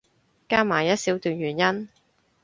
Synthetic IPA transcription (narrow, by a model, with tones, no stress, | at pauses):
kaː˥maː˨˩jɐ˥t̚siː˨˥wt̪yː˨˧njyː˨˩njɐ˥n